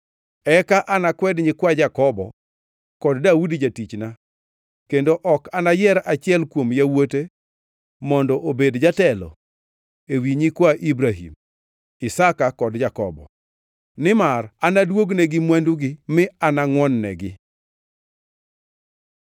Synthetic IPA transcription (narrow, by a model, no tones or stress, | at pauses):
ɛkaʔanakwɛdɲɪkwad͡ʒakɔbɔ̰ | kɔddaudd͡ʒatit͡ʃna | kendoʔɔkanajɛɾat͡ʃɪɛlkwomjawote | mɔndɔʔobedd͡ʒatɛlɔ̰ | ewiɲikwaʔibɾaɦḭm | ɪsakakɔdd͡ʒakɔbɔ̰ | nɪmaranadwoɡnɛɡɪmwanduɡɪmɪanaŋwɔnːɛ̰ɡɪ̰